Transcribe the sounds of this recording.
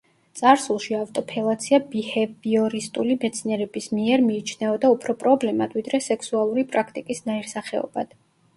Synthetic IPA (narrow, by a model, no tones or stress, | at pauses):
t̪sʼaɾsulˠʃiavt̪ʼɔpʰɛlˠat̪sʰiabihɛbiɔɾist̪ʼulimɛt̪sʰniɛɾɛbismiɛɾmiːt͡ʃʰnɛɔd̪aupʰɾɔpʼɾɔblɛmad̪̥vid̪ɾɛsɛkʰsualˠuɾipʼɾakʰt̪ʼikʼisnaiɾsaχɛɔ̰bad̪̥